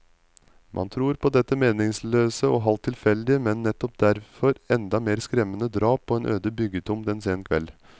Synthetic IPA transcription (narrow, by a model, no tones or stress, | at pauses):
mʔɑ̰nt̪ʰɾuːɾpʰɔd̪ɛt̪ːəmeːnɪŋsløːsəɔːɦɑlt̪ʰːɪlfɛld̪ɪəmɛnːɛt̪ːɔpd̪æɾfɔɾɛnd̪ɑmeːɾskɾɛmːənəd̪ɾɑːpʰːɔeːnʔø̰ːd̪əbʏɡət̪ʰʊmd̪ɛnseːnkʰʋɛ̰lː